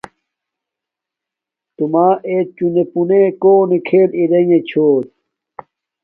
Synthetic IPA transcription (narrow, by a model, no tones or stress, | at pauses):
t̪umaːʔeːt͡ɕunepunekoːnikʰeːliɾeŋet͡ɕʰoːt̪̚